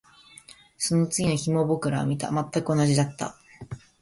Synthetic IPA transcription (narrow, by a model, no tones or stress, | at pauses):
so̞no̞t͡sɨɡʲino̞çimo̞bo̞kɯ̟ɾao̰mʲit̪a̰mat̪ːakɯ̟o̞naʑid̪at̪ːa̰